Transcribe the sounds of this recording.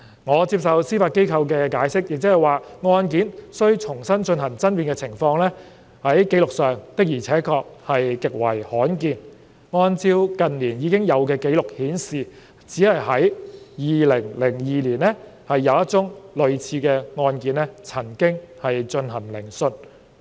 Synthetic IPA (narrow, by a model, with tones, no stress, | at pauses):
ŋɔː˨˧t͡siː˧p̚sɐ˨wsiː˥faː˧t̚ke˥jkʰɐ˧wkɛː˧kaː˨˥jsɪ˥k̚jɪ˨k̚t͡sɛː˥ɦɐ˨˩jwaː˨ŋɔː˧nk̬iː˨˥nsɵ˥ɥt͡sʰʊ˨˩ŋsɐ˥nt͡ʃɵ˧nhɐ˨˩ŋt͡sɐ˥npiː˧˨nkɛ˧t͡sʰɪ˨˩ŋfɔː˧ŋlɛː˥ | hɐ˨˥jke˨˥jlʊ˨k̚sœː˨˩ŋt̪ɪ˥k̚jiː˨˩t͡sʰɛː˨˥kʰɔː˧k̚hɐ˨jkɪ˨k̚wɐ˨˩jhɔː˨˥nkiː˧n | ŋɔː˧nt͡siː˧wkɐ˨nliː˨˩njiː˨˧kɪ˥ŋjɐ˨˧wkɛː˧ke˨˥jlʊ˨k̚hiː˨˥nsiː˨˩ | t͡siː˨˥hɐ˨jhɐ˨˥jjiː˨lɪ˨˩ŋlɪ˨˩ŋjiː˨liː˨˩nɛ˥hɐ˨jːɐ˨˧wɐ˥t̚t͡sʊ˥ŋlɵ˨˧ɥt͡sʰiː˧kɛː˧ŋɔː˧nkiː˨˥nlɛː˥t͡sʰɐ˨˩ŋkɪ˥ŋhɐ˨jt͡ʃɵ˧nhɐ˨˩nlɪ˨˩ŋsɵ˧t